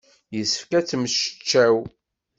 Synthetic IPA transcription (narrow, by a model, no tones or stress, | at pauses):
jəsə̥fkæt͡sːmʃə̥t͡ʃːæw